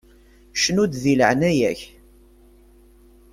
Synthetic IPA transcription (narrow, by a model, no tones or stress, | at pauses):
ʃənud̪ðilə̰ʕnæjæç